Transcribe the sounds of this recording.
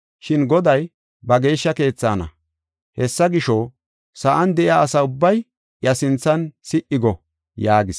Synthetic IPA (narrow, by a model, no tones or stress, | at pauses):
ʃɪnɡɔd̪ɐj | bɐɡe̞ːʃːɐke̞ːt͡sːaːnɐ̰ | hɛsːɐɡɪʃɔ | sɐʔɐnd̪ɛʔɪaːsɐʊbːɐj | ʔjɐsɪnt͡sːɐnsɪʔɪɡɔ | jaːɡɪs